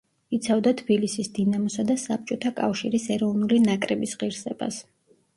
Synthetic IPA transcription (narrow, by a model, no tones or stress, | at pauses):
it̪sʰavd̪at̪ʰbilisisd̪inamɔsad̪asap̚t͡ʃʼɔt̪ʰakʼa̰fʃiɾisɛɾɔvnulinakʼɾɛbisʁiɾsɛb̥a̰s